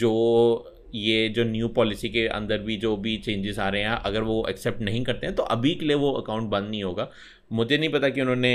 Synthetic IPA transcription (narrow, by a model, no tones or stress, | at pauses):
d͡ʒoː | jed͡ʒoːnjuːpɔːlɪsikeʔɐ̰̃nd̪əɾbʱid͡ʒoːbʱit͡ʃẽːɲd͡ʒɪzaːɾɐeɦɛ̃ʔɐɡəɾʋoʔɐ̰ksɛp̚ʈnɐɦĩkɐɾt̪ẽɦɛ̃t̪oʔɐbʱikelieʋoɐkãːʊ̃ɳʈ̚bɐ̃nd̪nɐɦĩɦoːɡaː | mʊd͡ʒʱenɐɦĩpɐt̪akiʊnɦõːne